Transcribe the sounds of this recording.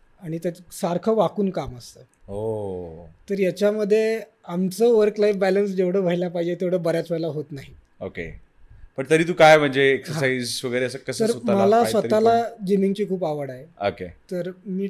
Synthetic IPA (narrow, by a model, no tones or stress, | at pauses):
aɽ̃it̪at̪saɾkʰəʋakuːnkaməst̪əː | o | t̪əɾjat͡ɕjaməd̪ʱːje | amt͡səʋəɾklajfbæləns̬d͡ʑeʋɽ̤əːʋ̤ʱəɦilapaɦid͡ʑet̪eʋɽ̤əːbəɾjat͡sʋəjlaɦot̪naɦi | okḛ | pəɳt̪əɾiːt̪uːkajm̤əɳd͡zeːksəɾɦsaid͡zsʋəɡəjɾeəsəkəst̪əɾt̪ːaməlaʋəalad͡ʑimiŋɡt͡ɕiːkʰuːpaʋəɽaeoket̪əɾmiː